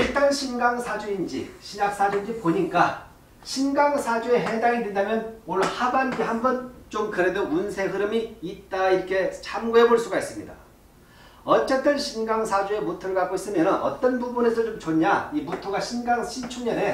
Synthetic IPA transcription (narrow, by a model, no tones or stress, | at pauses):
iɭt͈anɕʰinɡaŋsʰad͡ʑuind͡ʑḭɕʰinak̚s͈ad͡ʑuind͡ʑipoɲik͈a | ɕʰinɡaŋsʰad͡ʑue̞ɦe̞daŋidwendamjʌnmoɭːonhabanɡiɦambʌnt͡ɕomkɯɾe̞dounsʰe̞ɦɯɾɯmiːt̚t͈aiɾʌkʰe̞t͡ɕʰamɡoɦe̞boɭs͈uɡais͈ɯmɲida̰ | ʌt͡ɕ͈ʌt͈ɯnɕʰinɡaŋsʰad͡ʑue̞mutʰɯɭɡak͈ois͈ɯmjʌnɯnʌ̰t͈ʌnbubune̞sʰʌt͡ɕomt͡ɕoɲaimutʰoɡaɕʰinɡaŋɕʰimt͡ɕʰuɲʌne̞